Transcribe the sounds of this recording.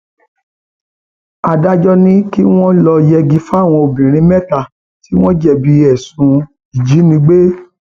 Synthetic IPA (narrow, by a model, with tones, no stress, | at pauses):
a˧˨da˦d͡ʒɔ˦nĩ˦ki˦w̃ɔ̃˦lɔ˧jɛ˧ɡi˧˦fa˦˨w̃ɔ̃˧o˨bĩ˨ɾ̃ĩ˧˦mɛ˦ta˦˨ | ti˦w̃ɔ̃˦d͡ʒɛ˦˨bi˧˦ɛ˨sũ˧ | i˨d͡ʒi˨˦nĩ˧˦ɡ͡be˦